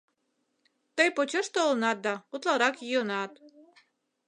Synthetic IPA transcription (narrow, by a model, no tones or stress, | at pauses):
t̪ɤjpot͡ɕɤʃt̪oolnɑt̪̚d̪ɑut̪lˠɑɾɑkjionɑt̪